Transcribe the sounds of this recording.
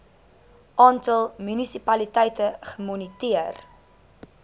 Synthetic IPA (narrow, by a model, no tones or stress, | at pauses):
ʔɑːntəlˠmynisipɐlitɛjtəχəmɔnitiər